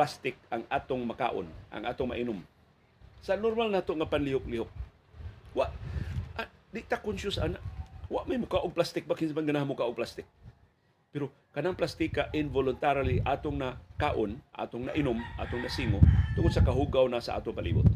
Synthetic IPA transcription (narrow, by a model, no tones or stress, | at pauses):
past̪ɪk̚aŋaːt̪oŋmaka̰ːʔo̰nʔa̰ŋʔa̰ːt̪oŋma̰ʔɪnʊm | sanoɾmalnaːt̪oʔŋapanlɪhʊk̚lɪɦʊk̚ | waʔʔad̪ɪʔt̪akʊnsʊsanaʔwaʔmajmʊkaːʔoɡ̚plast̪ɪk̚bakɪnmanɡanahamʊkaʔʊɡ̚plast̪ɪk̚ | pɛɾo | kɐnaŋplast̪ikaʔɪnvolʊnt̪aɾaliʔaːt̪ʊŋnakaːʔonʔa̰ːt̪ʊŋna̰ʔɪnʊmʔa̰ːt̪ʊŋnɐsiːŋot̪ʊŋod̪̚sakaɦuɡawnasaʔa̰ːt̪oŋpalḭːbʊ̰t̪̚